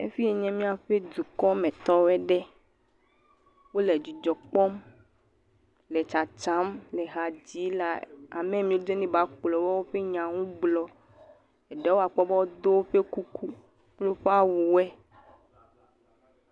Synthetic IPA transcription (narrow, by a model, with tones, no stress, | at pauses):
ḛ˦fi˦e˨ɲɛ̃˦mĩ˦a˨ɸe˦d̪u˨kɔ˦mẽ˨t̪ɔ˦wo˦ɛ˦ɖɛ˦ | wo˦le˨d͡ʒi˨d͡ʒɔ˨k͡pɔ˦m | le˨t͡ʃa˨t͡ʃa˦mlɛ˨ɦa˨d͡ʑi˨˦la˦a̰˨mẽ˦mĩ˦o˦d̪e˦nĩ˦ba˨˦k͡plɔ˨wɔ˦wo˦ɸe˦ɲã˨ŋũ˦ɡ͡blɔ˦ | ɛ˨ɖe˦wo˦a˨k͡pɔ˦bɔ˦wo˦d̪o˦wo˦ɸe˦ku˦ku˦ | k͡plo˦ɸe˦a˦wu˨wɛ˦